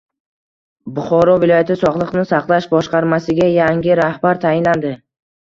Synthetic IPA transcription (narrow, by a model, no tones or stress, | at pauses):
bʊχɒɾɒvɪlˠɒjat̪ʰɪsɒʁlˠɨqnɪsɑqlˠaʃbɒʃqɑɾmasɪɡʲajaŋʲɪɾahbaɾt̪ʰajɪnland̪ɪ